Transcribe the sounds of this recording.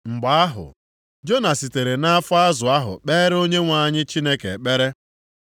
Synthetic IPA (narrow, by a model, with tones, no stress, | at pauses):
ŋ͡m̩˨ɡ͡ba˨a˦ɦʊ̰˨ | d͡ʒo˦na˨si˨te˨ɾe˨na˦fʊ˦a˦zʊ˨a˦ɦʊ̰˨k͡pe˦ɾo˦ɲe˦ŋʷa˨˦ɲɪ˦t͡ʃi˦ne˦kḛ˨k͡pe˦ɾe˦